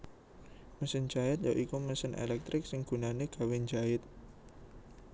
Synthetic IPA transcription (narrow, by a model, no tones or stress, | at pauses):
məsənd͡ʒ̥aɪt̪̚jaʔikuməsɪnʔḛlɛk̚t̪ɾɪk̚sɪŋɡ̥ṳnaneɡ̥a̤wend͡ʒaɪt̪̚